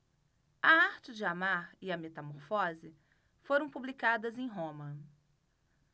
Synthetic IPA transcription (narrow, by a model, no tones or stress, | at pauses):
ɐaɾt͡ʃɪd͡ʒɪamaɾɪɐmet̪ɐmoɾfɔzɪ | foɾɐ̃w̃publikad̪ɐzẽj̃ɦõmɐ